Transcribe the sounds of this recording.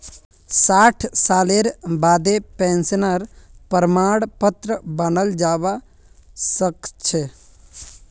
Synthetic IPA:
saːʈʰsaːleɾbaːd̪epɛ̃ːnsənəɾpəɾmaːɽpət̪ɾəbənəld͡ʒaːʋa | səkt͡ʃʰe

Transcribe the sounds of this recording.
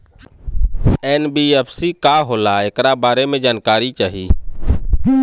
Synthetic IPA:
eːnbiːeːpsiːkaːɦoːlaːeːkɾaːbaːɾeːmẽːd͡ʒaːnkaːɾiːt͡ʃaːɦiː

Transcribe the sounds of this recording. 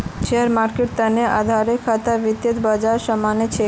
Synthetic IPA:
ʃeəɾmaɾkeʈ̚t̪əneʔa̰d̪ʱaɾekʰat̪aʋit̪jət̪bad͡ʒaɾsəmanet͡ɕʰe

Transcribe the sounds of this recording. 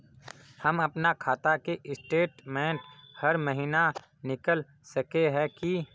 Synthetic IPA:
həmɐpnakʰaːt̪akeʔɪsʈeːʈmɛ̃ːɳʈhəɾməɦiːna | nɪkəl | səkeɦɛki

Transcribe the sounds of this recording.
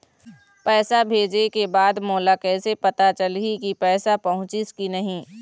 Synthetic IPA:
pɛːsabʱeːd͡ʒekebaːd̪moːlakɛːsepɐt̪at͡ʃɐlikipɛːsapɐɦʊ̃t͡ʃɪskinɐɦĩː

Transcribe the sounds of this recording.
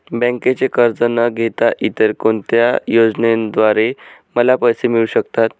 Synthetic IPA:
bə̃ŋket͡sekəɾd͡zənəɡʱet̪aʔit̪əɾkont̪jajod͡znend̪ʋaɾeməlapəjsemiɭuɕəkt̪at̪

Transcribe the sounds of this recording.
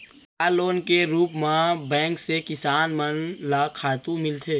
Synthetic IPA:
aːloːnkeɾuːpmãbɛ̃ːŋksekɪsaːnmənlaːkʰaːt̪ũmɪlt̪ʰeː

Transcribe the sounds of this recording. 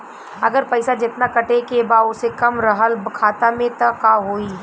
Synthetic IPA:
ɐɡəɾpɛɪsad͡ʒɪt̪nakɐʈekebaːʊsekɐmɾɐɦəlbkʰaːt̪amẽt̪akaɦoːiː

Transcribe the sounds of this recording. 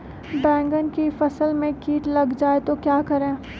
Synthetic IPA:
bɛ̃ːŋɡənkifɐsəlmẽkiːʈlɐɡd͡ʒaːet̪okjaːkɐɾẽː

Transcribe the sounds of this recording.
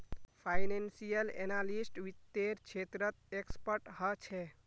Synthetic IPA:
pʰajnensijəlḛnalisʈʋit̪ːeɾt͡ʃʰet̪ɾət̪̚ekspəɾʈɦət͡ʃʰɛ

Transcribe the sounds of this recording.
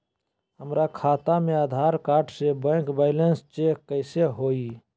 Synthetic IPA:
ɦəmɾakʰaːt̪amead̪ʱaɾkaːɾʈsebə̃kbaɪlenst͡ʃekːəɪseɦoi

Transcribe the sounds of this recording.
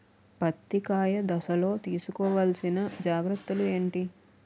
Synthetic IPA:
pɐt̪ːikaːjɐd̪ɐsɐlo̞ːt̪iːsukɔːʋɐlsinɐd͡ʒaːɡɾɐt̪ːulue̞ːɳʈi

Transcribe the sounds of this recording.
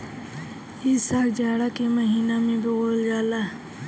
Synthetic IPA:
ɪsaːkd͡ʒaːɽakeməɦiːnamẽbəɣoːld͡ʒaːlaː

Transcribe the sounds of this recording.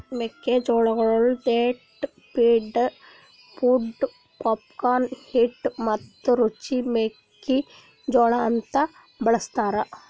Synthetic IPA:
mekːed͡ʒoːɭɐɡɐɭold̪eːʈ | piːɖ | puɖ | pɔp̚kaːnhiʈmɐt̪ːɾut͡ʃimekːi | d͡ʒoːɭaːnt̪a | bɐɭɐst̪aːɾa

